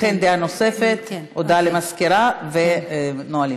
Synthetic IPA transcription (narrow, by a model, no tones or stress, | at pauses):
end̪eano̞sefet̪od̪alemaskiɾavenoali